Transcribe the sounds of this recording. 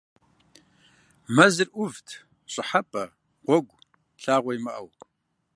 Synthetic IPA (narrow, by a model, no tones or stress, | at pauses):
mɐzɨrʔʊvtʰ | ɕʼɪħapʼɐ | ʁʷɔɡʷ | ɬaːʁʷɔjimɐʔɐw